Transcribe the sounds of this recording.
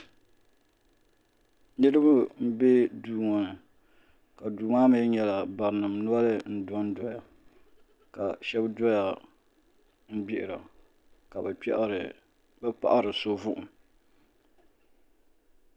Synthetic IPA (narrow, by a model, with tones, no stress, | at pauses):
nɨ˦ɾɨ˦bu˦m̩˦be˦duː˦ŋɔ˨nɨ˨ | ka˨duː˨maː˦mɨ˦ɲɛ˨la˨ba˨ɾnɨ˨mnʊ˦a˦lɨ˦n̩˦dɔ˦n˦dɔ˦ja˨ | ka˨ʃɛ˦bdɔ˦ja˨ | m̩˦bi˦ʔɪ˨ɾa˨ | ka˨bɛ˨k͡pɛ̰˦ʔɾ | bɛ˦pa̰˦ʔa˦ɾɨ˨so˦vʊ˦ʔʊ˨m˨